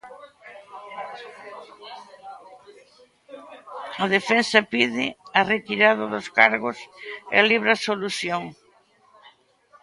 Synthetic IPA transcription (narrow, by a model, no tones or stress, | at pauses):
ɐðefensɐpiðɪɐret̪iɾaðɐðʊskaɾɣʊsḛliβɾasoluθjoŋ